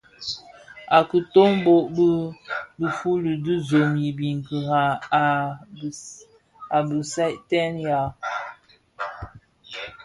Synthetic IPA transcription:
a˨kə˨to˦ŋbo˦ʔbə˦bə˨fu˦li˨də˦zo˨mji˨bi˨ŋ˨kə˨ɣa˨ | a˨bə˨sa˦ʔtɛ˦nja˨

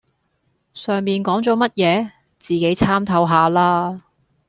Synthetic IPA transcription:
sœː˨ŋmiː˨nkɔː˨˥ŋt͡sɔː˨˥mɐ˥t̚jɛː˨˧ | t͡siː˨˩ke˨˥jt͡sʰaː˥mt̪ʰɐ˧wɦaː˨˧laː˥

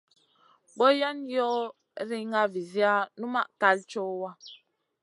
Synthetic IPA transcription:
bɔ˦ja˦njɔ˦ | ɾi˦ŋa˦vi˨zi˦a˦nu˦ma˦ʔka˦lt͡ʃɔ˦wa˦

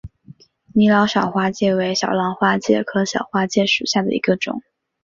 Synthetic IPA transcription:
ni˧˥lɑ˧˥ɕjɑ˨˩ʊxwa˥t͡ɕjɛ˥˩we˧˥ɪɕjɑ˨˩ʊlɑ˧˥ŋxwa˥t͡ɕjɛ̰˥˩kʰɤ˧˥ɕjɑ̰˨˩ʊxwa˥t͡ɕjɛ˥˩ʂu˨˩ɕja˥˩d̪ə̰˩ḭ˧˥ɡə˧ʈ͡ʂʊ̰˨˩˦ŋ

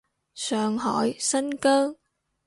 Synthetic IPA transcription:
sœː˨˩ŋɦɔ˧˩jsa˧ŋkəː˧ŋ

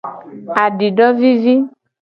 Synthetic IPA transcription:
a˨ɖi˨ɖɔ˦vi˦vi˦

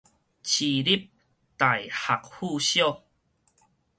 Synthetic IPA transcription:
t͡ɕʰi˨˩li˦p̚ | t̪a˨˩jha˨k̚hu˥˧ɕjɔ˥˧˨

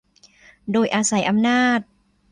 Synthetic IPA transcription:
doː˧jʔaː˧sa˩˦jʔa˧mnaː˥˩t̪̚

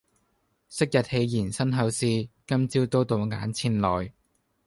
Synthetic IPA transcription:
sɪ˥k̚jɐ˨t̚he˧jjiː˨˩nsɐ˥nɦɐ˨˥wsiː˧kɐ˥mt͡siː˥wt̪o˥wt̪o˨˧wŋa̰ː˨˥nt͡sʰiː˧nlɔː˨˩j

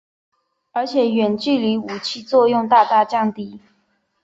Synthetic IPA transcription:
ə˞˧˥t͡ɕʰjɛ˨˩˦ɥɛ˨˩nt͡ɕy˥˩li˧˥u˨˩t͡ɕʰi˥˧t͡swɔ˥˧jʊ˥˧ŋt̪a˥˧t̪a˥˧t͡ɕjɑ˥˧ŋt̪i˥˩

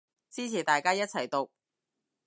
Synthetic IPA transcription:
t͡siː˥t͡sʰiː˨˩t̪aː˨jkaː˥jɐ˥t̚t͡sʰɐ˨˩jt̪o˨˩k̚

